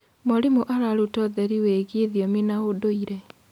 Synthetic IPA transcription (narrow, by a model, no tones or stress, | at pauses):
mɔɾimoʔaɾaɾutɔðɛɾiweɣeðiɔminaodoiɾɛ